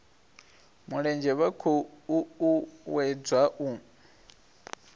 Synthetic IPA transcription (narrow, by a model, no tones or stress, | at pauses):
muɺɛnd͡ʒɛβakʰɔuuwɛd͡zwaʔu